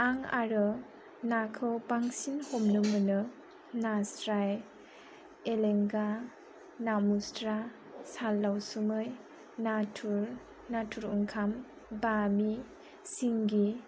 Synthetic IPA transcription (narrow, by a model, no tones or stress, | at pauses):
aŋa̰ɾɯ | nakʰɯwbaŋsinhomnɯmɯnɯ | nasɾaj | eleŋɡa | namustɾa | salːawsumɯj | natʰuɾ | natʰuɾuŋkʰam | bami | siŋɡi